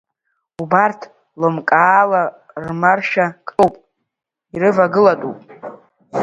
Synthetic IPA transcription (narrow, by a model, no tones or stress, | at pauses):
ubartʰ | lomkʼaːla | rmarʃakʼowpʼ | iɾɨvaɡɨlatʼupʼ